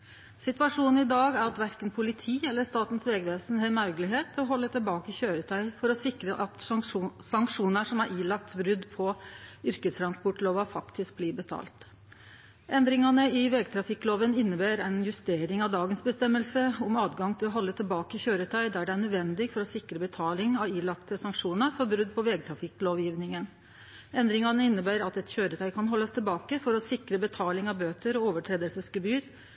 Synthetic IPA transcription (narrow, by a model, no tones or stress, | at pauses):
sɪt̪ʋɑʂuːnn̩ɪd̪ɑːɡæɾɑt̪ʋæɾkənpʰʊlɪt̪ʰiːɛlːəʂt̪ɑːt̪n̩sʋɛːɡʋeːsn̩ɦemɑɾɡəlɪɦeːt̪ʰːɔɦɔlːət̪ʰɪlbɑːkəçøːɾət̪ʰœʏfɔɾɔsɪkɾəʔɑt̪sɑŋkʂuːnəʂɔmæɾʔiːlɑk̚t̪bɾʏd̪pʰɔʏɾkəst̪ʰɾɑnspɔʈloːʋɑfɑkt̪ɪsk̚blɪːbət̪ʰɑ̰ːlt̪ | ʔɛnd̪ɾɪŋɑnəɪʋeːɡ̚t̪ʰɾɑfɪkːloːʋənɪnːəbæːɾæɪnjʉst̪eːɾɪŋɑʋd̪ɑːɡənsbəst̪ɛmːəlsəʊmɑːt̪ɡɑŋt̪ʰɪlɔɦɔlːət̪ʰɪlbɑːkəçøːɾət̪ʰœʏd̪æɖɛæɳœd̪ʋɛnd̪ɪɡfɔɾɔsɪkɾəbət̪ʰɑːlɪŋɑʋiːlɑkt̪əsɑŋkʂuːnəɾfɔɾbɾʉd̪ːpʰɔʋeːɡ̚t̪ʰɾɑfɪkloːʋjiːʋnɪŋən | ɛnd̪ɾɪŋɑnəɪnːəbæːɾɑt̪ɛt̪çøːɾət̪ʰœʏkʰɑnɦɔlːəst̪ʰɪlbɑːkəfɔɾɔsɪkɾəbət̪ʰɑːlɪŋɑbøːt̪əɾɔoːʋəʈʰɾeːd̪əlsəskəbyːɾ